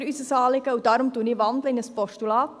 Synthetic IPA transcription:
ɾysəsɑːlikəudɑːɾumdunivɑndləinəspɔstulɑːt

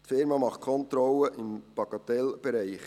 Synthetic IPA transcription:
tfɪɾmɑːmɑχt̚kʰɔnt̪ɾɔləʔɪmb̥ɑɡɑt̪ɛlb̥ɛɾæɪχ

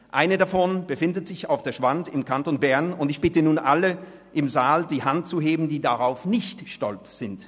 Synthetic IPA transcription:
ʔaɪnədafɔnb̥əfɪndətz̥ɪçaʊfd̥eːɐʃv̥antɪmkʰantoːnbɛɐnʊntɪçb̥ɪtənuːnʔalə | ʔɪmzaːldiːhantt͡suɦeːbm̩diːdaʁaʊfnɪçtʃtɔlt͡sz̥ɪnt

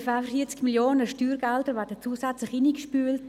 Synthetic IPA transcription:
fafəfiət͡skmiljoːnəʃtyːɾɡɛldəɾvɛːɾdət͡suːsɛt͡slɪχinikʃpyːlt

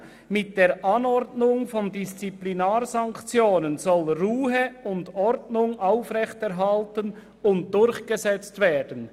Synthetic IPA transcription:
mɪt̚d̥eːɹʔɑnɔɾdnʊŋfɔndist͡siplinaːɾzɑŋkt͡sjoːnənzɔlʁuːɦəʊndɔɾdnʊŋʔaʊfʁɛçtɛɾɦaltən | ʊnt̚d̥ʊɾçɡ̥əzɛt͡stveːd̥ən

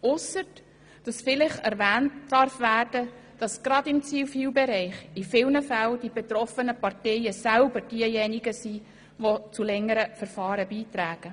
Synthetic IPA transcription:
ʊsət | d̥ɑsfɪlɪχɛɾvæːntd̥ɑɾfʋæːrd̥ə | d̥ɑsɡ̥ɾɑdɪmt͡siːwfiːwbɛɾɛɪχifɪlnəfældibet̪ɾɔfənəpɑrtɛɪəsælbəɾd̥iəjɛniɡəsiː | ʋot͡sulɛŋːəɾəfəɾfɑːɾəbiːtɾæːɡ̥ə

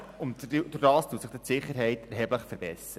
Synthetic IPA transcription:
ʊnd̪ʊdɑːstuːsɪχd̥̪ɪtsɪχːəɾɦɛɪtɛɾɦɛbləχfəɾbɛsɾə

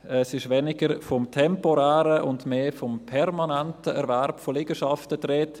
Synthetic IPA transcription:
ɛsɪʃʋɛnɪɡəɾfɔmtʰɛmpɔɾɛːɾəʔʊndmeːfɔmpʰɛɾmanɛntəɛ̰ɾvɛɾpfolɪɡ̥əʃɑftətɾeːt

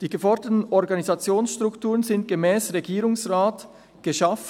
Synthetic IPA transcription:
d̥iːɡəfɔʁdətən̩ɔʁɡɑnizɑt͡sjoːnsʃtʁ̥ʊktuːʁənzɪnt̚ɡ̥əmɛːsʁeɡiːɾʊŋsʁaːt | ɡ̥əʃɑf

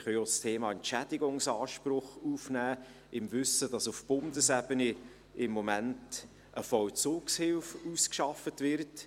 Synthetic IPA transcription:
χœjostʰeːmɑːɛnt͡ʃædɪɡʊŋsɑːʃprʊχuːfnæː | ɪmvʏsəd̥ɑsufb̥ʊndəsɛbəni | ɪmːɔmænt | ʔəfɔwt͡suːkshɪlfuːskʃɑfətvɪrt

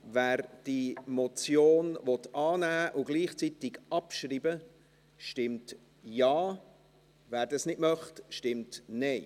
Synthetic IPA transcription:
væːɾd̥imɔt͡sjoːnvɔtɑːnæːʔʊɡ̥liːχt͡sitɪɡɑpʃriːbə | ʃtɪmt | jɑː | væːɾdɑsnɪdmœχtʃtɪmtnɛɪ

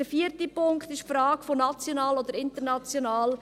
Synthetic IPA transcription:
d̥əfiːəɾtipʊŋkχt̪ɪʃfɾɑːkfonɑt͡sjonɑːlod̪əɾɪntəɾnɑt͡sjonɑːl

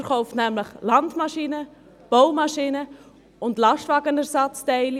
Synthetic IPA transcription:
əɾχoʊftnæmləχlɑndmɑʃinə | b̥oʊmɑʃinə | ʊndlɑʃtvɑːɡənɛrsɑt͡stɛɪl

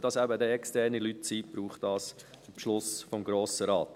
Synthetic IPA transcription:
d̥ɑsæbədɛɛkstɛrnilytt͡siːb̥ɾuːχt̚d̥ɑːs | pʃlʊsfɔmɡɾoːsəɾɑːt̪

